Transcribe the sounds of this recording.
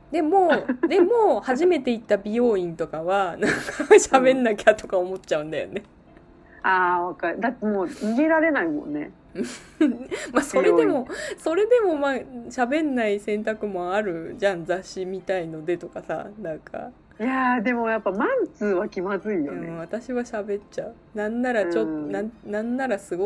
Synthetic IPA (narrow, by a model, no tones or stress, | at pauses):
d̪e̞mo̞ːd̪e̞mo̞ːhaʑime̞t̪e̞it̪ːabʲijo̞ːĩnt̪o̞kaβanãŋkaɕabe̞nːakʲat̪o̞kao̞mo̞tt͡ɕaɯ̟̃nd̪ajo̞̰ne̞ | aːβakaɾd̪at̪ːemoːɲiɡe̞ɾaɾe̞naimõ̰nːe̞̰ | ɯ | maso̞ɾe̞d̪e̞mo̞so̞ɾe̞d̪e̞mo̞maːɕabẽ̞nːaisẽ̞nt̪akɯ̟mo̞aɾɯ̟d͡ʑãnd͡zaɕimʲit̪aino̞d̪e̞t̪o̞kasa̰nãŋkʰa̰ | jad̪e̞mo̞japːamãnt͡sɨːβakʲimazɨijoɯ̃β̞at̪aɕiβaɕabe̞tt͡ɕaɯ̟nãnːaɾat͡ɕot̪ːnanãnːaɾasɨɡo